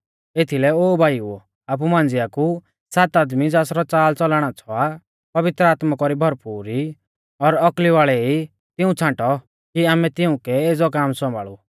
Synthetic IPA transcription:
et̪ʰilɛoːbʱaːiu | aːp̬umãːnd͡zɪaku | saːt̪aːd̪mid͡zaːsɾɔt͡saːlt͡sɔlaːɽ̃at͡sʰɔa | pɐʋɪt̪ɾəaːt̪makɔɾibʱɔɾpuːɾi | ɔɾɔkliʋaːɭɛi | t̪ɪũt͡sʰãʈɔ | kiaːmɛt̪ɪũkɛeːd͡zɔkaːmsɔ̃mbʱa̰ːɭu

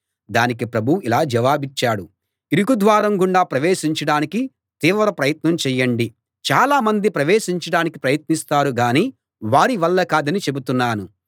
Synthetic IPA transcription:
d̪aːnikipɾɐbʱuilaːd͡ʒɐʋaːbit͡ʃːaːɽu | iɾuɡud̪ʋaːɾɐmɡuɳɖaːpɾɐʋeːʃiɲt͡ʃɐɽaːniki | t̪iːʋɾɐpɾɐjɐt̪nɐmt͡ʃɛjːɐɳɖi | t͡ʃaːlaːmɐnd̪ipɾɐʋeːʃiɲt͡ʃɐɽaːnikipɾɐjɐt̪nist̪aːɾuɡaːniː | ʋaːɾiʋɐlːɐkaːd̪ɐnit͡ʃe̞but̪unːaːnu

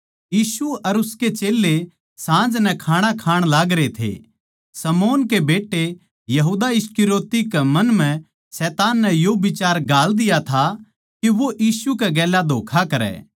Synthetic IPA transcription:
jiːsuɐɾʊsket͡ʃeːlːe | sãːd͡ʒnɛkʰaːɽ̃akʰaːɽ̃laːɡɾet̪ʰḛ | sɐmoːnkebeːʈːe | jɐɦuːd̪aɪskɪɾoːt̪ikemɐnmɛ̃ | sɛːt̪aːnːɛjobɪt͡ʃaːɾɡaːld̪ɪjat̪ʰa | kiʋoʔjiːsukɛɡɛːlad̪ʱoːkʰakɐɾɛ̰ː

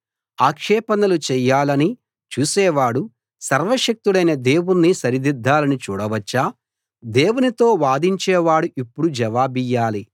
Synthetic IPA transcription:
aːkʂɛːpɐnɐlut͡ʃɛjːaːlɐni | t͡ʃuːsɛːʋaːɽu | sɐɾʋɐʂɐk̚t̪uɽɐjnɐd̪e̞ːwunːisɐɾid̪id̪ːaːlɐnit͡ʃṵːɽɐʋɐt͡ʃːaː | d̪e̞ːwunit̪o̞ːʋaːd̪iɲt͡ʃɛːʋaːɽuʔipːuɽud͡ʒɐʋaːbijːaːli

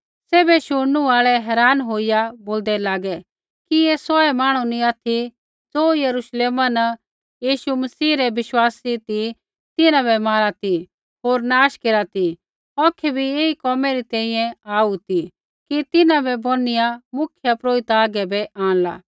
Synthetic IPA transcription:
seːbɛʃʊɽ̃nũaːɭɛɦɛːɾaːnɦoːijaboːld̪ɛlaːɡɛ | kieːsɔɛmaːɽ̃unĩat̪ʰi | d͡zoːjɐɾuʃleːmanɐ | jiːʃumɐsiːɾɛʋɪʃwaːsit̪i | t̪ɪnãβɛmaːlat̪i | ɦoːɾnaːʃkeːɾat̪i | ɔːkʰɛbʱieikɔːmɛɾit̪ɛ̃ːĩjɛ̃aːut̪i | kit̪ɪnãbɛbʱonɪjamʊkʰjəpɾoːɪt̪aaːɡɛbɛʔãːɽ̃la̰ː

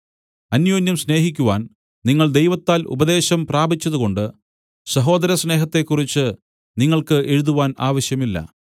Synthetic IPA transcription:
ɐnjo̞ːnjɐmsne̞ːɦikʲːuʋaːn | niŋːɐɭd̪e̞jʋɐt̪ːaːlʔṵbɐd̪e̞ːɕɐmpraːbit͡ɕːɐðuko̞ɳɖɨ | sɐɦo̞ːd̪ɐɾɐsne̞ːɦɐt̪ːe̞kːurit͡ɕːɨ | niŋːɐɭkɨʔe̞ɻuðuʋaːnaːʋɐɕjɐmilːɐ̰

